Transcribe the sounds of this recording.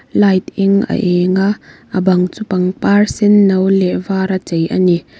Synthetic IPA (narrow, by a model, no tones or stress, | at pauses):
lajt̪iŋʔə̰ʔɛŋaʔʔəbɐŋt͡supɐŋparsɛnːɐwlɛʔvaːɾat͡sejʔa̰ni